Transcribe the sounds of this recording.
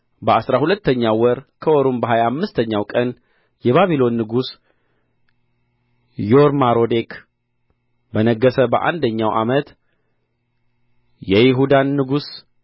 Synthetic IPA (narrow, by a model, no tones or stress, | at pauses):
bəasɾahulət̪ːəɲːawɔɾkʰəwɔɾumbəɦajamːɨst̪ʰəɲːawkʼən | jɛβaβilo̞nːɨɡus | joɾmaɾo̞d̪ek | bənəɡːəsəbəʔa̰nd̪əɲːawʔa̰mət̪ | jɛjɪɦud̪anːɨɡus